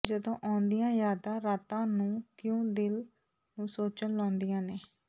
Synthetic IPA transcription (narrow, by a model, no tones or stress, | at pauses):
d͡ʒəd̪õːʔaːʊnd̪ijãːjaːd̪ãːɾaːt̪ãːnũːkjõːd̪ɪl | nũːsoːt͡ʃənlaːnd̪ijãːneː